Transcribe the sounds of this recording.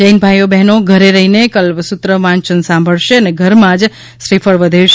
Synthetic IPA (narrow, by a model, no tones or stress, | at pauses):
d͡ʒəjnbʱajobɛɦnoɡʱəɾeɾəɦinekəlʋsut̪ɾəʋãnt͡ʃənsãmbʱəɭʃeəneɡʱəɾmãd͡ʒ | ʃɾifʰəɭʋəd̪ʱeʃ